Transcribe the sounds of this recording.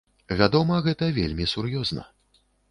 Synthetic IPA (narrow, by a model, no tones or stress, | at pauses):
vʲad̪ɔmɐɣɛt̪ɐvʲḛlʲmʲisurjɔznɐ̰